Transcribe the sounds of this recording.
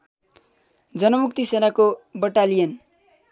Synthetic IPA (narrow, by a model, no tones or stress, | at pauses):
d͡zʌnʌmuk̚t̪isenakobʌʈalijʌn